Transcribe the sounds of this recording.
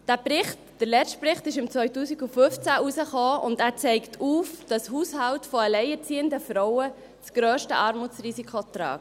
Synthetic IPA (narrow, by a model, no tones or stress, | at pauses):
d̥æːpɾɪχt | d̥əɾlɛt̚prɪχtɪʃɪmt͡sʋœʏtuːsiɡufʏft͡sæʔusəχoːʊ̰ndæːɾt͡sɛɪktʰuːfd̥ɑshuːshɑwtfɔəlɛɪət͡siːəndəfɾɔʊə | t͡sɡ̥ɾœːʃtəʔɑːɾmut͡srisikʰot̪ɾɑ̰ːk